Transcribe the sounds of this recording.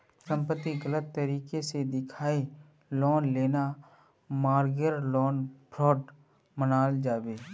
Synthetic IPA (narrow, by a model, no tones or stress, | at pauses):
sə̃mpət̪ːiɡələt̪ːəɾiːkesed̪ɪkʰaːi | lɔːnleːna | maːɾɡəɾlɔːnbʰɾɔːɖ | mənaːld͡ʒaːbeː